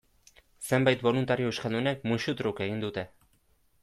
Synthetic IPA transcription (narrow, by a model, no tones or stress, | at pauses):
se̞mbajt̪bo̞lunt̪aɾiouʃkald̪unek̚muʃut̪ɾuke̞ɣ̞ind̪ut̪e̞